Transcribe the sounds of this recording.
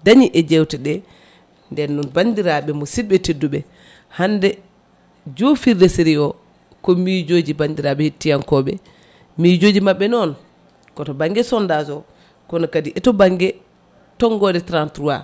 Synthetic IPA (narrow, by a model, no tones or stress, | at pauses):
daɲiʔɛd͡ʒɛwtɛɗɛ | ndɛnːunbandiɾaɓɛmɔsibɛtedːuɓɛ | handɛ | d͡ʒofiɾdesiɾiɔ | kɔmid͡ʒoːd͡ʒibandiɾaɓɛhitːijankɔɓɛ | mid͡ʒod͡ʒimaɓːɛnɔn | kɔtɔbaŋɡɛsɔndazɔ | kɔnɔkadiʔɛtɔbaŋɡɛ | tɔŋɡɔdɛtɾantɾuwa̰